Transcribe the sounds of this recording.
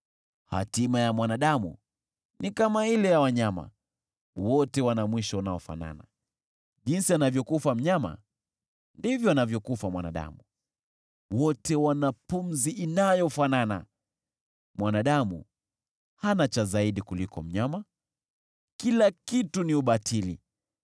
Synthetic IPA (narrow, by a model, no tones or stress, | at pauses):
ha̰timajamwanaɗamṵ | nikamailɛjawaɲama̰ | wɔtɛwanamwiʃɔunaɔfa̰na̰na̰ | ʄinsianavjɔkufam̩ɲama̰ | ndivjɔanavjɔkufamwa̰na̰ɗa̰mu | wɔtɛwanafunziinajɔfanana̰ | mwʔanaɗamṵ | hanat͡ʃazaiɗikulikɔ̰m̩ɲama | kilakituniuɓatʰilḭ